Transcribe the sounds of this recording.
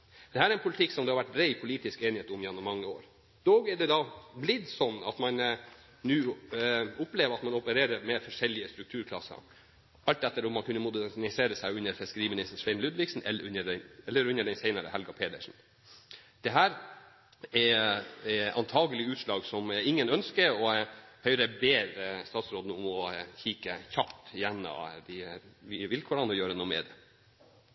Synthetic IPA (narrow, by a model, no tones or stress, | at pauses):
d̪̥ɛhæːɾɛæɾɛnpʰʊlɪt̪ʰɪkːsɔmd̪ɛhɑɾʋæʈːɾæɪpʰʊliːt̪ɪskeːnɪheːt̪ʊmjɛnːʊmːɑŋːəoːɾ | d̪oːɡɛɖɛd̪ɑblɪd̪sɔnːɑ̰t̪mɑn | nʉː | ʊpleːʋəɾɑt̪mɑnɔpəɾeːɾəɾmɛfɔʂɛlːɪəst̪ɾʉkt̪ʰʉːɾkʰlɑ̰sːə̰ | ɑlt̪d̪ɛt̪ːəɾɔmːɑnkʰʉnːəmʊd̪ænɪseːɾəsæɪʉnːəɾfɪskəɾiːmɪnɪst̪n̩ʂʋɛɪnlʉd̪ʋɪksn̩ɛ̰ʉnːəɛɛlːəɾʉnːəɖɛɪsɛɪnɑɾə̰hɛlɡɑpʰeːd̪əʂn̩ | d̪̥ɛɦæːɾ | ɛ | ɑ̰nt̪ʰɑːɡəlɪʉːt̪ʂlɑːɡsɔmæɪŋːənœnskəɔhœʏɾɛbeːɾst̪ɑːt̪sɾoːd̪nəʊmɔçiːkəçɑpt̪jɛnːə̰d̪ɪʋɪʋɪlkʰʊɾɑnɔjøːɾənuːəmɛ̰d̪ɛ